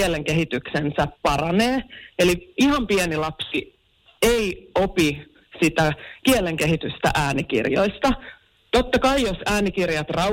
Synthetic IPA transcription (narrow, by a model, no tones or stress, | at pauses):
eleŋkeɦit̪yksensæppɑrɑneːeliihɑmpiɛnilɑpsi | eiopi | sit̪ækieleŋkeɦit̪yst̪æ̰ʔæːnikḭrjo̰ist̪ɑ | t̪ot̪ːɑkɑijosæːnikirjɑt̪rɑ